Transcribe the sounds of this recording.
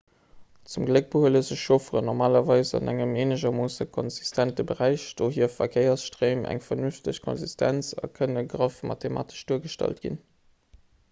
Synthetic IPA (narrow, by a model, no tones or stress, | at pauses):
t͡sumɡlək̚b̥əhuələzəɕʃofəʁənɔʁmaːlɐvɑɪsɑ̰nʔæŋəmeːnəʒɐmoːsəkʰɔnzistʰæntəbəʁæɪɕd̥oːɦiːɐfɐkʰeɪɐsʃtʁeːmʔæ̰ŋfɐnynftəɕkʰɔ̰nzistʰæ̰nt͡sɑ̰kʰənəɡʁəfmɑ̰tʰema̰ːtə̥ʃd̥uːɐɡəʃtɑ̰ltɡ̥ḭn